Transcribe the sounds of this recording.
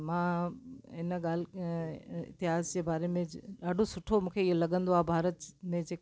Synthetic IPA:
mã | ɪnəɠaːl | ɪ̰t̪ɪɦaːzd͡ʑeːbaːɾemẽɗaːɖʱosʊʈʰomũːkʰeɪɦolɐɠə̃nd̪oaːbʱaːɾət̪mẽd͡ʑeːk

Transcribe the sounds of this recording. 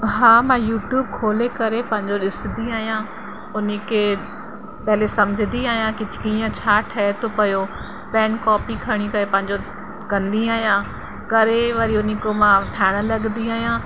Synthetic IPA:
ɦaːmãjuːʈjuːb̚kʰoːlekɐɾepɐ̃ɦɪ̃ɲd͡ʑoɗɪsɪ̃nd̪iaːɦijã | ʊnekʰeː | pɐɦɪlesɐmɪd͡ʑʱɪnd̪iaːɦjãkɪd͡ʑʰʱkiːə̃t͡ɕʰaːʈʰaːet̪ʰopɐjo | pɛːnkɔːpikʰɐɽ̃ikɐɾepɐ̃ɦɪ̃ɲd͡ʑo | kɐ̃nd̪iaːɦijã | kɐɾeʋɐɾiʊnĩkomãʈʰaːɪɽ̃ə̆lɐɠnd̪iaːɦijã

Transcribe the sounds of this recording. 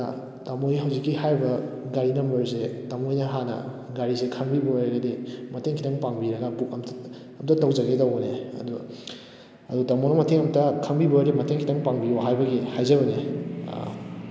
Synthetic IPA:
tamojɦɐwzikːihajbɐɡaɾinɐmbɐɾs̬etamojnɐɦanɐ̰ | ɡaɾisekʰɐŋbibɐɾɐɡɐdimɐtʰeŋkʰitʰɐŋpaŋbiɾɐɡɐpukɐmt | ɐmtɐtɐwzɐɡetɐwɡɐneɐ̰du | ɐdutamonɐmɐtʰeŋɐmtɐkʰɐŋbiboɾimɐtʰeŋkʰitɐŋpaŋbioɦajbɐɡihajzɐβɐnḛ

